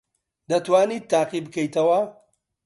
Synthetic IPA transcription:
d̪ɐt̪waːnit̪ːaːqibkejtɐwɐ

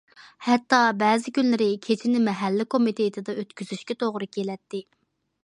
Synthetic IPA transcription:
hɛt̪ːɑbɛːzɪkʲynlɪɾɪkʲʰet͡ʃʰinɪmɛɦɛlːɪkʰomit̪ʰeit̪ʰɪd̪ɑøt̪kʲyzyʃkʲɛt̪ʰoʁɾɨkʲʰelɛt̪ːɪ

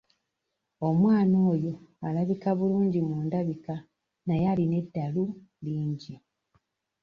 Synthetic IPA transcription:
o̞mwaːno̞ːjo̞alaβikaβuluːɲɟimuːndaβika | najaline̞dːalu | liːɲɟi

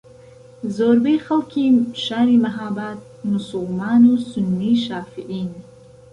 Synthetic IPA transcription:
zoːɾbejxalkʲʰiʃaːɾimaɦaːbat̪̚mʊsʊlmaːnusʊnːiʃaːfiʕiːn

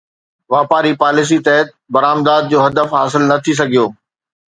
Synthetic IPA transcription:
ʋaːpaːɾipaːlɪs̬it̪ɐɦɪt̪̚bɐɾaːmd̪aːd̪̚d͡ʑoːɦɐd̪əfɦa̰ːsɪlnɐt̪ʰis̬ɐɡʱijoː

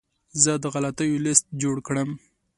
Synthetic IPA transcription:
zəd̪əɣalat̪əjolɪst̪̚d͡ʒoɽkɽəm

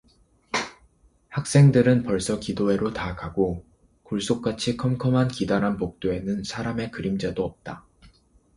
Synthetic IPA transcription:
hak̚s͈e̞ŋdɯɾɯnpʌɭs͈ʌkidoɦe̞ɾotakaɡo | kuɭs͈ok͈̚at͡ɕʰikʰʌmkʰʌmɦankidaɾɦanpok̚t͈oe̞nɯnsʰaɾame̞kɯɾimd͡ʑadoʌp̚t͈a

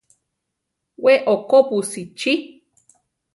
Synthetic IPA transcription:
weʔokopusit͡ʃi

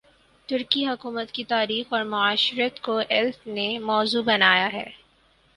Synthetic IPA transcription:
t̪ʊɾkiɦʊkuːmət̪kit̪aːɾiːxɔːɾmʊaːʃɾət̪koʔɛlsnemɔːzubɐnaːjaɦɛ̰ː

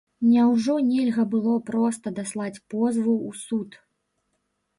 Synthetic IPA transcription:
nʲawʐɔnʲɛlʲɣɐbɨlˠɔpɾɔst̪ɐd̪aslˠat͡sʲpɔzvuːsut̪

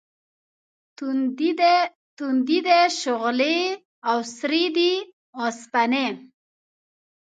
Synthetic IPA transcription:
t̪und̪id̪eʃʊɣle | awsɾid̪i | ɔspane

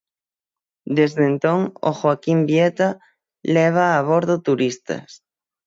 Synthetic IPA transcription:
d̪ezðent̪oŋo̰xwakimbjet̪a | leβ̞aːβ̞oɾðot̪uɾist̪ɐ̰s

